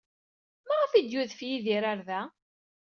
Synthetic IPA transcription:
maʁafid̪juðfjiðiɾaɾðæ

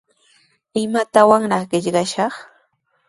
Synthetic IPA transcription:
ɪmat̪awaŋɾɑχɢɪʎɢɑʃɑχ

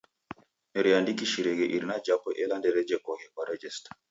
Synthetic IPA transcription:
mɛɾijandikiʃiɾɛɡɛʔiɾnad͡ʒapːɔʔɛlandɛɾɛd͡ʒɛkɔkɛkwaɾɛd͡ʒɛst

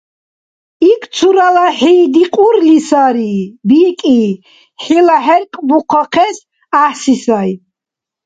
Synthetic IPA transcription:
ik̪ʰsʰuɾalaħiːd̪iqʼuɾlisaɾibikʼi | ħilaħɛɾkʼbuqʰaqʰɛs | aħsisaj

